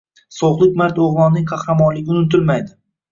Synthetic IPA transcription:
sowqlˠɪk̚ʲmaɾt̪oʁvɒnːɪŋqʰɑχɾamɒnlɪɡʲɪʊnɪt̪ɪlmajd̪ɪ

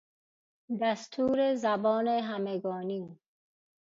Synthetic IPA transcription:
d̪æst̪ʰuːɾezæbɔːneɦæmeɡɔːniː

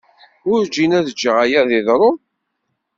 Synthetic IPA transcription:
ʊɾd͡ʒinæðd͡ʒːəʁajæðɪðɾˤo

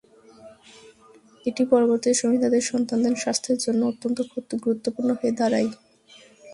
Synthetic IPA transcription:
eʈipɔɾoboɾt̪iʃomid̪ʱad̪eɾʃɔnt̪and̪enʃast̪ʰeɾd͡ʑonːoot̪ːont̪okʰut̪ːɡɾut̪ːopuɾnoɦoed̪aɾaj

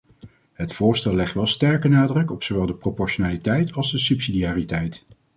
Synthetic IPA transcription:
ɦətfʊːɹstɛlˠɛχtʋɛlˠstɛɹkənaːdrɵkɔpsoʋɛlˠdəpropɔɹʃonaːlitɛjtʰɑlˠzdəsɵpsidiaːritɛjt

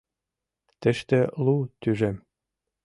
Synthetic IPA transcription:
t̪ɘ̆ʃt̪ɘ̆lut̪yʒem

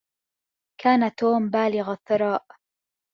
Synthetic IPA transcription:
kʰaːnat̪oːmbaːlɪɣaθːɪɾˤɑːʔ

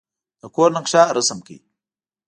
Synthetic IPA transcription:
dakoɾnəkʃaɾəsəmkḭ

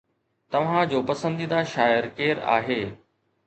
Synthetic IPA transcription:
t̪ɐʋ̤ãd͡ʑoːpɐsə̃nd̪id̪aʃaːjəɾkeːɾa̰ːɦeː

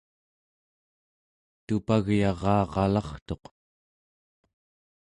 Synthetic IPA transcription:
t̪upaɣjɑʁɑːʁɑlɑχt̪o̞q

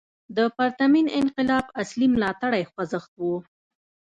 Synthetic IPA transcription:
d̪əpaɾt̪aminɪnqɪlɑbaslimlɑt̪aɽajxwazəxt̪̚wu

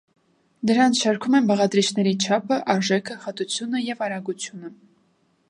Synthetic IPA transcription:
d̪əɾɑnt͡sʰʃɑɾkʰumɛnbɑʁɑd̪ɾit͡ʃʰnɛɾit͡ʃʰɑpʰəʔɑɾʒɛkʰəχɑt̪ut͡sʰjunəjɛvɑɾɑɡut͡sʰjunə

